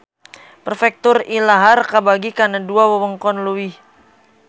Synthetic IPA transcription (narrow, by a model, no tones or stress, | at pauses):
pərfɛk̚t̪ʊrilaɦarkabaɡikanaduawəwəŋkɔnluwih